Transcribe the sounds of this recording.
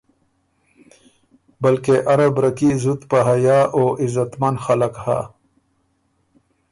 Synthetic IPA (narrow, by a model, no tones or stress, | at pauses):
bɐlkeʔɐɾabɾɐkizut̪paɦajaːʔoːʔizɐt̪mɐnxɐlakha̰